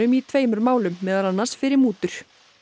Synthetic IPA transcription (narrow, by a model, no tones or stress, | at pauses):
ʏmit̪ʰveːjmʏɾmaːwlʏmːɛːðalanːaɾ̥sfɪɾɪɾmuːt̪ʏɾ̥